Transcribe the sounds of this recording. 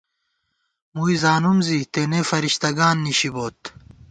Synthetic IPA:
muːizaːnumzit̪enefɐɾiɕt̪ɐɡaːnːiɕiboːt̪

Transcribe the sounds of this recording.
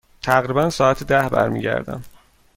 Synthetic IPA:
t̪ʰæɣɾiːbænsɒːæt̪ʰed̪æhbæ̰ɾmḭɟæ̰ɾd̪æ̰m

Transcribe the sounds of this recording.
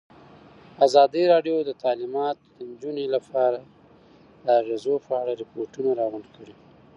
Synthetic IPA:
azɑd̪iɾɑɖjod̪ət̪ɑlimɑt̪d̪ənd͡ʒunelapʰɑɾa | d̪əaɣezopəaɽaɾɪpoɾʈunaɾɑɣuɳɖkʰəɽi

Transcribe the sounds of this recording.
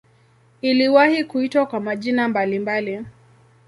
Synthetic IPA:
iliwahikuitwakwamaʄinambalimbali

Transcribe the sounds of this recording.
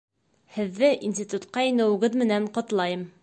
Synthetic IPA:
hɘ̆ðːɘʔinsʲt̪ʲit̪ut̪qɑĭnæ̆wɘ̆ɡɘðmɘ̆næɴqɒ̆t̪lˠɑjɤm

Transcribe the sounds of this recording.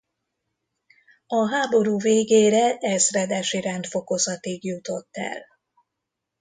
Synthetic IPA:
ɒɦaːbo̞ɾuːveːɡeːɾɛʔɛzrɛd̪ɛʃiɾɛnt̪fo̞ko̞zɒt̪iɡjut̪o̞t̪ːɛ̰l

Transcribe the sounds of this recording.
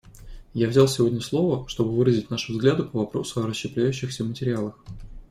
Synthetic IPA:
javzʲalˠsʲɪvo̞dʲnʲəslˠo̞vəʂt̪o̞bɨvɨɾəzʲɪtʲnaʂɨvzɡlʲad̪ʊpəvɐpɾo̞sʊɐɾəɕɕːɪplʲæjʉɕːɪxsʲəvmətʲɪɾʲɪalˠəx

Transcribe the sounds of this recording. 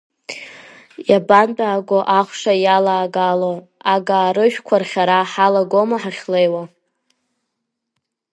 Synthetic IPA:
jabandaːɡʷoʔaχʷʂajalaːɡalo | aɡaːɾɨʃᶣkʷʰarχʲaɾaħalaɡomaħaχʲlejwa

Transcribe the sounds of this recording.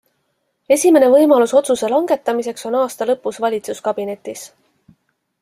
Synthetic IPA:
e̞sʲime̞ne̞vɤ̞jmɑluso̞t̪suse̞lɑŋɡ̥e̞t̪ˑːɑmise̞kso̞nɑːst̪ɑlɤpːusvɑlʲit̪suskɑb̥ine̞t̪ːˑis

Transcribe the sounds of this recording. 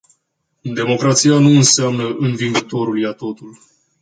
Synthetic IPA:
d̪e̞mo̞kɾat̪sijanuɨnseamnəʔɨnviŋɡət̪o̞ɾuljat̪o̞t̪ul

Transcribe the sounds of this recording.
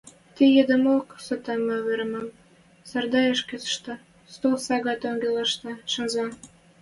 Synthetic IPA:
t̪ijed̪əmoksət̪ɑmɑβeɾmɑm | sɑrd̪ɑjeʃkesə̥ʃt̪ɤ̆ | st̪olsɑɣɑt̪oŋɡelɑʃt̪ɤ̆ʃə̆nzɑ

